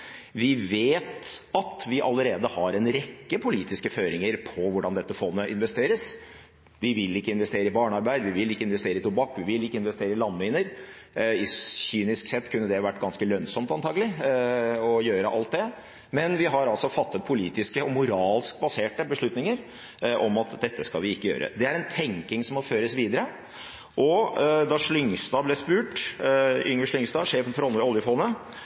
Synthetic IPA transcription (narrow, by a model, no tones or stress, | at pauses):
ʋɪʋeːt̪ɑt̪ʋɪʔɑ̰lːəɾeːd̪əhɑɾɛnɾɛkːəpʰʊliːt̪ɪskəføːɾɪŋəɾpʰɔʋʊɖɑnd̪ɛt̪ːəfɔnːəʔɪnʋɛst̪eːɾəs | ʋɪʋɪlɪkːəɪnʋɛst̪eːɾəɪbɑːɳəɑɾbæɪd̪əʋɪʋɪlɪkːəɪnʋɛst̪eːɾəɪt̪ʊbɑkːʋɪʋɪlɪkːəɪnʋɛst̪eːɾəɪlɑnːʋɪnəɾ | ɪçyːnɪsksɛt̪ːkʰʉnːəd̪ɛʋæʈːɡɑnskəlœnsɔmt̪ɑnt̪ʰɑːɡəlɪ | ɔjøːɾəʔɑ̰lt̪̚d̪ɛ | mɛnʋɪɦɑɾɑlsɔfɑt̪ːət̪̚pʰʊliːt̪ɪskəɔmʊɾɑːlskbɑseːʈəbəʂɭʉt̪nɪŋəɾ | ʔɔmɑt̪d̪ɛt̪ːəskɑ̰ʋɪɪkːəjø̰ːɾʔə̰d̪ɛæɾɛnt̪ʰɛŋkɪŋsɔmɔføːɾəsʋiːd̪əɾə | ʔɔd̪ɑʂlʏŋst̪ɑːblɛspʉːʈ | ʏŋəʂɭlʏŋst̪ɑːʂeːfənfɔɾɔləɔljəfɔːnə